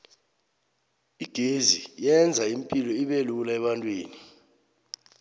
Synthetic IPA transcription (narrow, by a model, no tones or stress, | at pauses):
iɡ̥ʱezijɛnd͡zʱajim̩pʼilɔiɓelulaɛɓantʼweːni